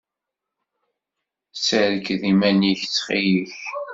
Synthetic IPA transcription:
səɾkðimæniçt͡sːχijəç

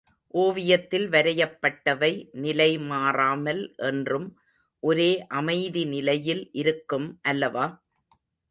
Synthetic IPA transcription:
ʔoːʋɪjɐt̪ːɪlʋɐɾɐjɐpːɐʈːɐʋɐɪnɪlɐɪmaːraːmɐlʔɛndrɯm | ʔɔɾeːʔɐmɐɪðinɪlɐjɪlʔɪɾɯkːɯmʔɐlːɐʋaː

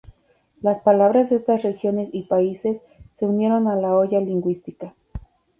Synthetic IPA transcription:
laspalaβ̞ɾazðeest̪asrexjo̞ne̞sipaise̞sː | e̞unje̞ɾo̞nalao̞ʝaliŋɡwist̪ika

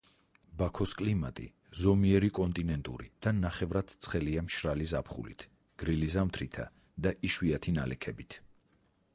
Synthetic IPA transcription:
bakʰɔskʼlimat̪ʼḭ | zɔmiɛɾikʼɔnt̪ʼinɛnt̪ʼṵɾḭd̪̥anaχɛvɾad̪̥t̪sʰχɛliamʃɾalizapʰχṵlḭt̪ʰ | ɡ̥ɾilizamt̪ʰɾit̪ʰa̰ | d̪aʔiʃwiat̪ʰinalɛkʰɛbit̪ʰ

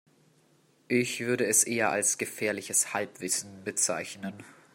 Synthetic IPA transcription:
ʔɪçv̥ʏɐɾəɛsʔeːɐʔa̰lsɡ̥əfɛːɐlɪçəshalpv̥ɪsn̩bət͡sa̰ɪçnən

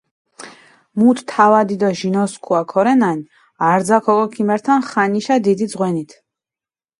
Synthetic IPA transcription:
mut̪t̪ʰavad̪id̪ɔʒinɔskʰuakʰɔɾɛnani | aɾd̪zakʰɔkʼɔkʰimɛɾt̪ʰanχaniʃad̪id̪id̪zʁwɛnit̪ʰ

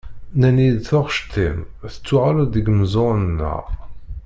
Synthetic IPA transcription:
nænid̪θʊʁʃt̪ʰːimθə̥t͡sːʊʁald̪iɡməzˤonnːæ̰

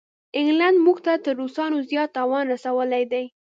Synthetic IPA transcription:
ɪŋɡland̪muɡt̪at̪əɾːosɑnozjɑt̪ːɑwɑnɾasawəlajd̪aj

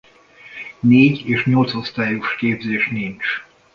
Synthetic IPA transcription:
neːɟeːʃɲolt̪shost̪aːjuʃkeːbzeːʃnint͡ʃ

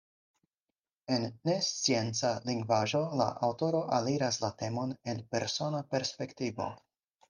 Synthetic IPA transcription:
e̞nːe̞st͡sie̞nt͡saliŋɡvaʒo̞la̰ʔawto̞ɾo̞ʔaliɾaslate̞mo̞ne̞lpe̞ɾso̞nape̞ɾspe̞ktivo̞̰

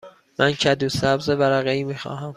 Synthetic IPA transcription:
mʔæncʰæd̪uːsæbzebæɾæɣeiːmiːxɒ̰ːɦæm

